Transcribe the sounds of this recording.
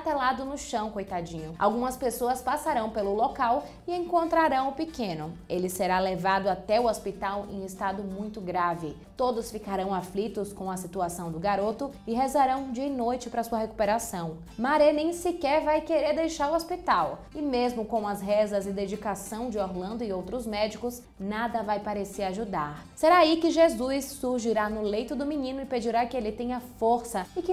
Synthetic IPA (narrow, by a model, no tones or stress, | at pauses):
t̪ɛlad̪ʊnʊʃɐ̃w̃kojt̪ad͡ʒĩɲʊa̰wɡũmɐspesoɐspasaɾɐ̃w̃pelʊlokaw | ɪẽŋkõnt̪ɾaɾɐ̃w̃ʊpɪkẽnʊelɪseɾalevad̪ʊat̪ɛʊospit̪awḛ̃j̃ɪst̪ad̪ʊmũj̃t̪ʊɡɾavɪ | t̪od̪ʊsfikaɾɐ̃w̃aflit̪ʊskõw̃ɐsit̪uasɐ̃w̃d̪ʊɡaɾot̪ʊ | ɪɦezaɾɐ̃w̃d͡ʒiɐɪnojt͡ʃɪpɾɐsuɐɦeku̥peɾasɐ̃w̃ | maɾɛnẽj̃sɪkɛɾvajkeɾeɾd̪ejʃaɾʊospit̪aw | ɪmezmʊkõw̃ɐsɦɛzɐzɪd̪ed͡ʒikasɐ̃w̃d͡ʒɪoɾlɐ̃nd̪ʊɪowt̪ɾʊzmɛd͡ʒikʊs | nad̪ɐvajpaɾeseɾaʒud̪aɾseɾaikɪʒezujsːuɾʒiɾanʊlejt̪ʊd̪ʊmĩnĩnʊɪped͡ʒiɾakɪelɪt̪ẽɲɐfoɾsɐɪkɪ